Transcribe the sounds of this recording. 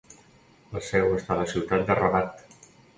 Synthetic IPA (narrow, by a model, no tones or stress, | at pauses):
əlˠsɛwəst̪aləsiwt̪at̪̚d̪ərəβat̪